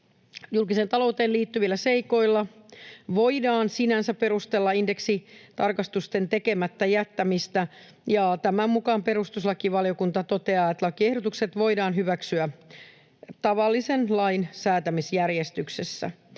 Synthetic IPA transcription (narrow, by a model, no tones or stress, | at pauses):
julkiseːnt̪ɑlout̪eːliːt̪ːyʋilːæse̞iko̞ilːɑʋo̞idɑːnsinænsæppeɾust̪elːɑinde̞ksit̪ɑrkɑst̪ust̪e̞nt̪eke̞mæt̪ːæjæt̪ːæmist̪æ | jɑt̪æmæmmukɑːmpe̞ɾust̪uslɑkiʋɑlio̞kunt̪ɑt̪o̞t̪e̞ɑːet̪lɑkie̞hɾot̪ukse̞t̪ʋo̞idɑːnɦyʋæksyæ | t̪ɑʋɑlːisenlɑjnsæːt̪æmisjærjest̪yksesːæ̰